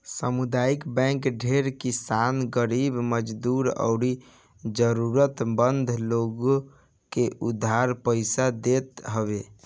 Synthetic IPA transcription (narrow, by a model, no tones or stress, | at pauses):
səmud̪aikbɛ̃kɖʱeɾkisanɡəɾibməd͡ʒd̪uɾə̰ʊɾi | d͡ʒəɾuɾət̪bənd̪ʱloɡ | keʔud̪ʱːaɾpəɪsad̪et̪ɦəbe